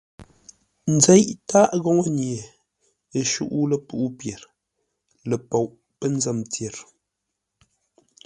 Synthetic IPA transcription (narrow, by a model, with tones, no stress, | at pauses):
n̩˨d͡zɛ˦jʔta˦ʔɣɔ˦ŋo˦nje˨ | e˨ʃṵ˦ʔu˦lə˨pu˦ʔu˦pjɛ˨ɾ | lə˨po˨wʔ | pə˦n̩˦zɛ˦˨mtje˨ɾ